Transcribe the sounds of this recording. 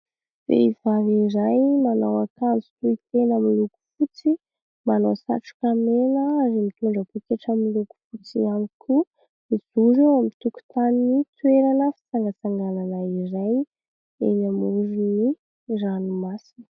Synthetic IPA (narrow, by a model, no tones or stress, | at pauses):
v̥ḛivavirajmanawakand͡zu̥t̪uit̪enəmiluku̥fut͡si | manawsa̰ʈ͡ʂu̥kameləaɾimit̪uɳɖ͡ʐəpekeʈ͡ʂəmiluku̥fut͡siamikʲʰu | miz̥uzuamit̪uku̥t̪aninit̪weɾanəfi̥t͡saŋɡat͡saŋɡananairaj | ḛnamuɾuni | ranumasini̥